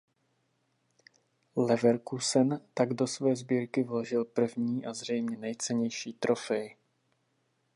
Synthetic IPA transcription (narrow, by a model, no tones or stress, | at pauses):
lɛvɛɾkusɛnt̪aɡdo̞svɛːzbiːɾkɪvloʒɪlpr̩vɲiːʔazr̝ɛjmɲɛnɛjt͡sɛɲɛjʃiːt̪ɾʔo̞fɛj